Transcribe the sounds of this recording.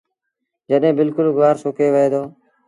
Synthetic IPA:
d͡ʒəɗɦẽːbɪlkʊlɡʋaːɾsoːkeːʋəeːd̪oː

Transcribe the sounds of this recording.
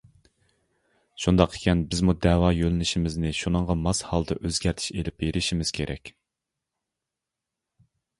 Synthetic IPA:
ʃund̪ɑqʰːe̥kʲʰɛnbɪzmud̪ɛwɑjølɪnɪʃimɪznɪʃunəŋʁɑmɑshɑlˠd̪ɨ̰ʔøzɡʲæɾt̪ʰɪ̥ʃelɪp̚beɾʔɪʃimɪz̥kʲʰeɾʔɛ̰kʲ

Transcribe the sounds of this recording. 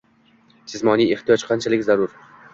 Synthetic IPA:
d͡ʒʰɪzmɒnijeht̪ijɒt͡ʃqʰɑnt͡ʃʰalɪkʲzaɾʊɾ

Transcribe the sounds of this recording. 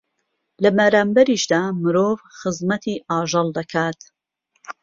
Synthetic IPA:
lɐbɐɾaːmbɐɾiːʃd̪aːmɨɾoːvxɨzmɐt̪ʰiːʔɑːʒɑlˠd̪ɐkʰaːt̪

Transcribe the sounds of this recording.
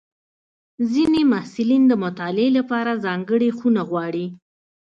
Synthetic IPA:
zinemahsɪlind̪əmʊt̪ɑlɪelapɑɾazɑŋɡəɽexunaɣwɑɽi

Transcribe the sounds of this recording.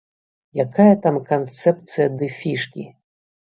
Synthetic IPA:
jakajɐt̪amkant̪sɛp̚t̪sɨjɐd̪ɨfʲiʂkʲḭ

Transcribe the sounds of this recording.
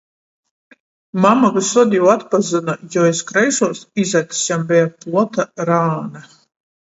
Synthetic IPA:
mamaɡusɔd̪ʲijuat̪pazɨnajɔɛskɾɛjʃuɔsizat̪sjambɛjaplˠɔt̪aɾaːna

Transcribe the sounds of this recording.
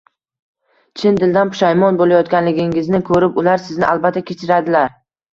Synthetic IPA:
t͡ʃʰɪnd̪ɪld̪anpʊ̥ʃajmɒnbolajɒt̪kʲanlɪɡʲɪŋɪznɪkʰɵɾɪpʊlaɾsɪznɪʔalˠbat̪ʰːakʲʰe̞t͡ʃʰɪɾad̪ɪlaɾ

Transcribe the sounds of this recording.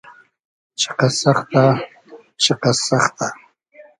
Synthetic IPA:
t͡ʃɪ̥qɑsɑχt̪a | t͡ʃɪqɑsɑχt̪a

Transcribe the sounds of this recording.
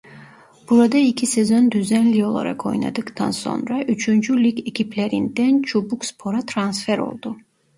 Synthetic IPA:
b̥uɾɔd̪ɛikʰisɛzɔnd̪yzɛnliɔlˠɔ̰ɾɛ̰kʰɔjna̰d̪ɨkʼt̪ʰa̰nsɔ̰nɾɛʔyt͡ʃʰund͡ʒulikʰɛkʰipʰlɛɾind̪ɛnt͡ʃʰubukspʰɔɾat̪ʰɾansfɛɾɔ̰lˠd̪u

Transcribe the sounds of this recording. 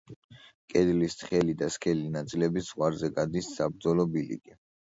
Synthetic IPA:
kʼɛd̪list̪χɛlid̪askʰɛlinat̪sʼilɛbisz̥ʁwaɾzɛɡad̪isːab̚ɾd̪zɔlɔbilḭɡʼi

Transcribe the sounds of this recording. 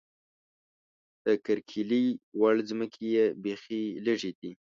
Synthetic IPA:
d̪̥əkəɾkʰiliwaɭzməkʰejebexiləʐed̪i

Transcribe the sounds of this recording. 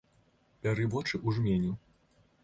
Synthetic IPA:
pʲaɾɨvɔt͡ʂɨʔuʐmʲenʲu

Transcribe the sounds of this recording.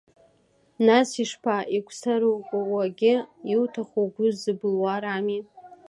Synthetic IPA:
nasiʂpʰaʔikʷʰʼsaɾokʷʼʊwaɡʲɪiwtʰaχʷoɡʷʊzɨbɨlwaɾami

